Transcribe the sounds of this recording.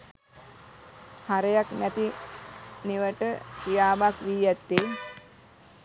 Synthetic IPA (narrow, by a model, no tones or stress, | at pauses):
haɾəjaknæt̪i | niʋəʈək̪ijaːbakʋiːjæt̪ːe